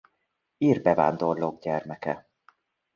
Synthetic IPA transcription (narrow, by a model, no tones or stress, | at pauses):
iːrbɛva̰ːnd̪o̞rloɡɟɛrmɛkɛ